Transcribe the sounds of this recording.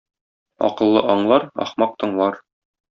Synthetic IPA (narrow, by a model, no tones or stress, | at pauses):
ɒ̰qɤ̆lˠːɤʔɒɴlˠɑɾɒ̰χmɑq̚t̪ɤ̆ɴlˠɑɾ